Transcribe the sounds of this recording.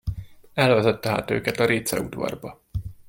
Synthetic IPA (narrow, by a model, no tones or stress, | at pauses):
ɛlvɛzɛt̪ːɛɦa̰ːt̪øːkɛt̪ɒɾeːt̪sɛ̰ṵd̪vɒ̰rbɒ